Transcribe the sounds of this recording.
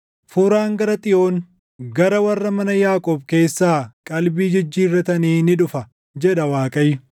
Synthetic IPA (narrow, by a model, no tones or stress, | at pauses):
fuːɾaːŋɡɐɾɐt̪ʼɪjo̞ːn | ɡɐɾɐwɐrːɐmɐnɐjaːkʼɔːbke̞ːsːaːkʼɐlbiːd͡ʒɪd͡ʒːiːrːɐt̪ɐniːnɪᶑʊfɐ | d͡ʒɛᶑɐwaːkʼɐjːʊ